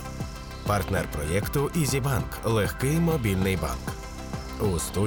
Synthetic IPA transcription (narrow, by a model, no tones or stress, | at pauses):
pɐrt̪nɛrpɾɔjɛkt̪ʊʔizʲibɑnklˠexkɪjmɔbʲilʲnɪjbɑ̰nk | ust̪u